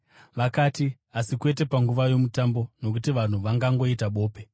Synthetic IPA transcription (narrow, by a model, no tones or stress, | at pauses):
ʋakaːti | asikwe̞t̬e̞paŋɡuʋajo̞mutambo̞no̞k̬utiʋan̤uʋaŋɡaŋɡo̞itaɓo̞ːpe̞